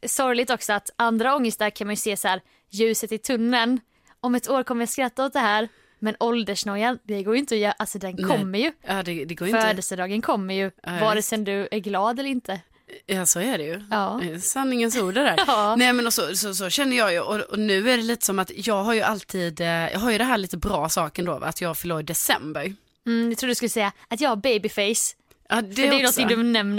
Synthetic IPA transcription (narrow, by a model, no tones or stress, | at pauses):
sɔɾjlɪt̪ɔksɔat̪and̪ɾaɔŋːəst̪aɾkʰanmanjɵseːsæːɾ | jʉ̟ːsət̪ɪt̪ʰɵnːən | ɔmɛt̪oːɾkʰɔmːəɾjaskɾat̪ːaɔt̪̚d̪ɛɦæːɾ | mɛnɔld̪əʂɳɔjand̪ɛɡoːɾjʏʏnt̪əɔjːʔalsɔd̪ɛnkʰɔmːəɾjɵɑːd̪ɛd̪ɛɡoːjfœœːd̪əsəd̪ɑːɡənkʰɔmːəɾjɵvaɾɛsɛmd̪ɵæɾɡlɑːd̪ɛlːəɾɪnt̪ʰə | jɑːsɔæɖɛjɵɑːsanːɪŋənsuːɖɛd̪æːɾnɛmɛnɔsɔsɔsɔɕɛnːəjɑːjʉʔɔɔnʉ̟ːæɖɛliːt̪ə̥sɔmat̪jɑːɡɦaɾjɵʔalt̪ʰiːd̪jɑ̰ɦaɾjɵd̪ɛnɦæːɭiːt̪əbɾɑːsɑːkəɛnd̪ɔa̰t̪ʰjɑːɡfœɭoːd̪ɛsɛ̰mbəɾ | m̩jat̪ʰɾuːd̪skɵlːəsɛjːaat̪jɑːɡhaɾbejbɪfɛɪs | ɑd̪ɛœdɛjːnɔnt̪ɪŋd̪ɵnɛmn